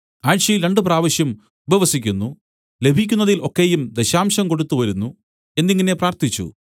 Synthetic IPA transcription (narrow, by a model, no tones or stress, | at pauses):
aːɻɕjɐjilɾe̞ɳɖɨpraːʋɐɕjɐm | ubɐʋɐsikʲːunːu | le̞bʱikʲːunːɐðilʔo̞kːe̞jumd̪eɕaːmɕɐmko̞ɽut̪ːuʋɐɾunːu | e̞nd̪ːiŋːɐne̞praːrt̪it͡ɕːṵ